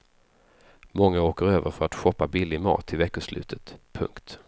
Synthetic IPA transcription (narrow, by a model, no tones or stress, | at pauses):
mɔŋːaoːkəɾøːvəɾfœɾat̪ɧɔpːabɪlːɪmɑ̰ːt̪ʰːɪlvɛkːəʂlʉ̟̰ːt̪ʰət̪pʰɵ̰ŋkt̪